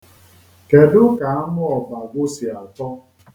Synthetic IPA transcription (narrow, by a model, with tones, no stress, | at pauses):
ke˨dʊ˦ka˨a˦mʊ˦ɔ˨ba˨ɡʷʊ˦si˨a˨tɔ˦